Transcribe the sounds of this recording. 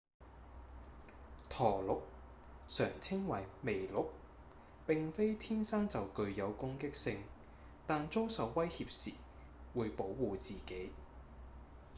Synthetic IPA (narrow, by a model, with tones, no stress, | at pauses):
t̪ʰɔː˨˩lʊ˨˥k̚ | sœː˨˩ŋt͡sʰɪ˥ŋwɐ˨˩jme˨˩jlʊ˨˥k̚ | pɪ˨ŋfe˥jt̪ʰiː˥nsaː˥nt͡sɐ˨wkɵ˧ɥjɐ˨˧wkʊ˥ŋkɪ˥k̚sɪ˧ŋ | t̪aː˨nt͡so˥wsɐ˨˧wːɐ˥jhiː˧p̚sḭː˨˩ | wuː˨˧jpo˨˥wwuː˨t͡siː˨ke˨˥j